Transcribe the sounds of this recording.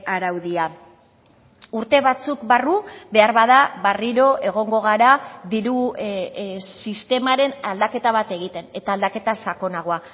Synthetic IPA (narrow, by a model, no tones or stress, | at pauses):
aɾawðia | uɾt̪e̞βat͡sukbarube̞aɾβaðaβariɾo̞ʔe̞ɣ̞o̞ŋɡo̞ɣ̞aɾaðiɾu | sist̪e̞maɾe̞nald̪ake̞t̪aβ̞at̪e̞ɣ̞it̪e̞ne̞t̪aːld̪ake̞t̪asako̞naɣ̞oa